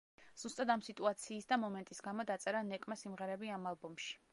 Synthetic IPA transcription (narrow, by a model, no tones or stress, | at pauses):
z̥ust̪ʼad̪amsit̪ʼuat̪sʰiːsd̪amɔmɛnt̪ʼisɡamɔd̪at̪sʼɛɾanɛkʼmasimʁɛɾɛbiamalˠbɔmʃi̥